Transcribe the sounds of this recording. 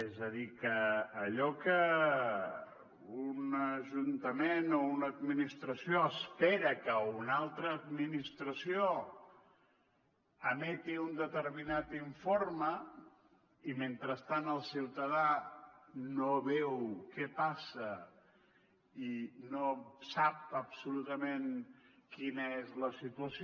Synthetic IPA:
ezəðikəːʎɔkə | unəʒunt̪əmenounəd̪̚minist̪ɾəsioəspɛɾəkəunalˠt̪ɾəːd̪minist̪ɾəsio | əmɛt̪iund̪ət̪əɾminat̪iɱformə | iment̪ɾəst̪anəlˠsiwt̪əð̞a | noβɛwkɛpasə | inosap̚əbsulut̪əmenkinəezləsit̪uəs

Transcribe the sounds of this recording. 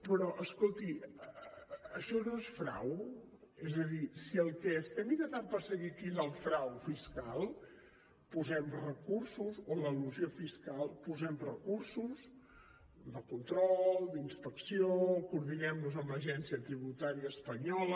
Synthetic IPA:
pɾɔʔəskolˠt̪i | əʃɔnoesfɾa̰w | ezəðisiəlˠkɛst̪ɛmiɾət̪ampəɾsəɣikizəlˠfɾawfiskalˠ | puzɛmrəkursuzoləluziofiskalˠpuzɛmrəkursus | d̪əkunt̪ɾɔlˠd̪inspəksiokuɾðinɛmnuzəmləʒɛnsiət̪ɾiβut̪aɾiəːspəɲɔlə

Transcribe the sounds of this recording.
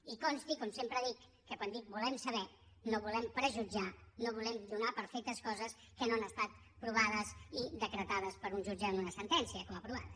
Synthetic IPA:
ikɔnst̪ikɔmsempɾəðikːəkwand̪ik̚bulɛmsəβɛ | noβulɛmpɾəʒud͡ʒanoβulɛmd̪unapəɾfɛk̚t̪əskɔzəs | kənoanəst̪at̪ | pɾuβaðəsid̪əkɾət̪að̞əspəɾunʲʒud͡ʒəmunəsənt̪ɛnsiəkɔməpɾuβa̰t̪

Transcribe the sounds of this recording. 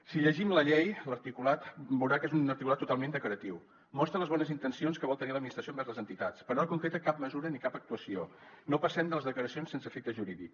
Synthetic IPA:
siʎəʒimləʎejləɾt̪ikulat̪bəwɾakezunəɾt̪ikulat̪ːut̪alˠmend̪əkləɾət̪iw | mɔst̪ɾələzβɔnəzint̪ənsionskəβɔlˠt̪əniləd̪mist̪ɾəsiombɛɾzlˠəzənt̪it̪at͡spəɾnaɾkuŋkɾet̪əkap̚məzuɾənikapək̚t̪uəsionopəsɛmd̪ələzðəkləɾəsionsensəfek̚t̪əʒuɾiðḭk

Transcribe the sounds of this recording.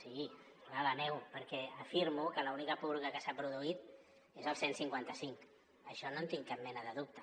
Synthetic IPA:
sii | βalənɛwpəɾkɛəfiɾmukələunikəpuɾɣəkəsapɾuðuit̪̚ | ezəlˠsensiŋkwant̪əsiŋk | əʃɔnont̪iŋkap̚mɛnəðəðup̚t̪ə̥

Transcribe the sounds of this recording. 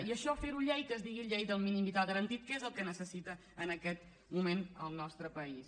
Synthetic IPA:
iəʃɔfeɾuʎɛjkəzðiɣiʎejd̪əlˠminimbit̪aɣəɾənt̪it̪̚kezəlˠkənəsəsit̪əːnəkɛt̪ | mumenəlˠnɔst̪ɾəpəis

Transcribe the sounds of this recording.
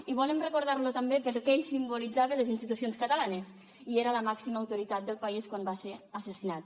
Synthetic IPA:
iβɔləmrəkuɾð̞aɾlut̪əmbepəɾkɛeʎsimbulid͡zaβelezinst̪it̪usionskət̪alanes | ieɾələmaksiməːwt̪uɾit̪at̪̚d̪əlˠpaiskwambaseɾəsəsinat̪̚

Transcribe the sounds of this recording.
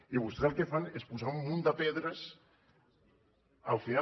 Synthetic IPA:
iβ̞ust̪ɾelˠkefanespuzaumːund̪əpeðɾəs | əlˠfina

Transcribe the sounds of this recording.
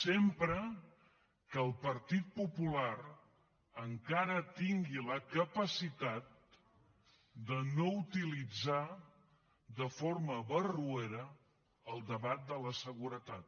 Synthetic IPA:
sempɾə | kəːlˠpəɾt̪it̪̚pupulaɾ | əŋkaɾət̪iŋɡiləkəpəsit̪at̪̚ | d̪ənout̪ilid͡za | ðəforməβərueɾə | əlˠd̪əβat̪̚d̪ələsəɣuɾət̪at̪̚

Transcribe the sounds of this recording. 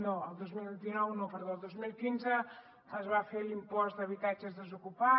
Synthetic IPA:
nõad̪ozmilˠβit̪inɔwnõpeɾðõaðozmilˠkinze | ɐzβafeɾlimpɔsd̪ɐβit̪at͡ʃɐzðezokupa

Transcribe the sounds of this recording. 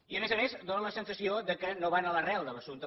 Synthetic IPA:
iəmezəmezd̪onələsənsəsiod̪əkənoβanələrɛlˠd̪ələsunt̪ə

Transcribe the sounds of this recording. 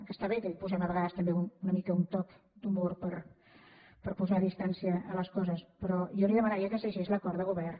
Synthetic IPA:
kəst̪aβek̪eʎpusɛməβəɣaðəst̪əmbeununɐmikəunt̪ɔk | d̪umboɾpəɾ | pəɾpuzaðist̪ansjəːləskɔzəspəɾɔjoliðəmanaɾiakəseʃezləkɔɾðəɣuβɛr

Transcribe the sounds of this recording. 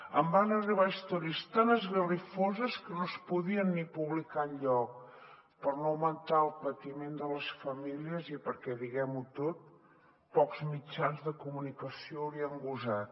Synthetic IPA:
ə̰mbanəriβ̞aist̪ɔɾiəst̪anəzɣərifozəskənospuðiənːipuβlikaɲʎɔk̚ | pəɾnowmənt̪aəlˠpət̪imend̪ələsfəmiliəzipəɾkɛðiɣɛmut̪ot̪̚ | pɔkz̥mit͡ʃanzðəkumunikəsioəɾiəŋɡuzat̪̚

